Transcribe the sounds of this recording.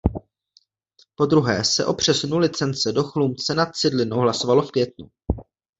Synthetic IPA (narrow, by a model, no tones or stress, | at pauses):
po̞d̪ɾuɦɛ̰ːsɛ̰ʔo̞pr̝̥ɛsunulɪt͡sɛnt͡sɛdo̞xlumt͡sɛnat̪̚t͡sɪdlɪnowɦlaso̞valo̞fkvjɛt̪nṵ